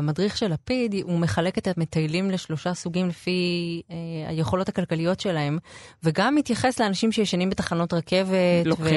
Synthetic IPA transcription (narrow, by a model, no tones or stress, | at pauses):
amadʁiχʃe̞lapidumeχale̞ket̪etme̞t̪ajlimleʃlo̞ʃasuɡimlefi | a̰jeχo̞lo̞thakalkalijo̞tʃe̞lae̞mveɡamːit̪jaχesleanaʃimʃejeʃanimbetaχano̞t̪ʁake̞ve̞tve